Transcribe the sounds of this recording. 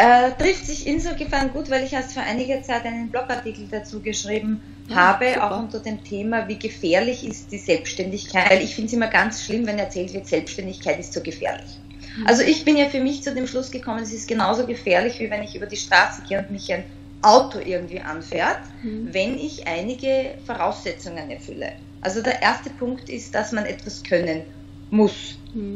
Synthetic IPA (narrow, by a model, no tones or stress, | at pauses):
ʔɛːtʁɪftsɪçʔɪnzoːɡəfɛɐnɡuːtvæɪlɪçɛɐstfoɐʔa̰ɪnɪɡɐt͡sæɪtʔæɪnənblɔkaɐtiːkl̩d̥at͡suːɡəʃʁiːbm̩ | haːbəʔa̰ʊxʊ̃ntədeːmtʰeːmaviːɡəfɛːɐlɪçɪst̚d̥iːzɛlpsʃtɛndɪçkʰaæɪlɪçfɪntsɪmːɐɡant͡sʃlɪmvɛnɛɐt͡sɛːltvɪɐtz̥ɛlpsʃtɛndɪçkʰaɪtɪstz̥oːɡəfɛ̰ːɐlɪ̰ç | ʔa̰lzoʔɪçb̥ɪnjaːfyːɐmɪçt͡sudeːmʃlʊsɡ̥əkʰɔmənɛsɪstɡ̥ənaʊzoɡəfɛːɐlɪçv̥iːvɛnɪçʔyːbɐdiːʃtʁ̥aːsəɡ̥eːəʊntmɪçæɪn | ʔaʊtʰoʔɪɐɡŋ̩tv̥iːʔa̰nfɛːɐt | vɛnɪçʔaɪnɪɡəfoʁaʊsːɛt͡sʊŋənɛɐfʏ̰lə̰ | ʔa̰lzodeːɐʔeɐstəpʰʊŋktɪ̰std̥asmanʔɛtv̥askʰœnən | mʊs